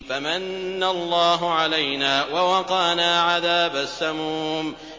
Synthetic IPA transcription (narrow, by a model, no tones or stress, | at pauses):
famanːalˤːɑːɦʊʕalajnaːwawɑqɑːnaːʕaðaːbasːamuːm